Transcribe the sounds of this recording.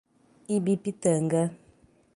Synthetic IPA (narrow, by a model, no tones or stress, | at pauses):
ibipitəŋɡə